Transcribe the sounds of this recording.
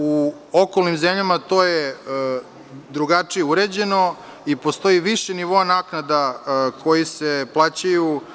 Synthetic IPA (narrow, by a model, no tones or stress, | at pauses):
u | okolnimzemʎamat̪o̞ːje | d̪ɾuɡat͡ʂijeuɾed͡ʑe̞no̞ | ipo̞st̪o̞jiʋiʃeniʋo̞anaːknad̪akʰo̞jiseplˠaːt͡ɕaju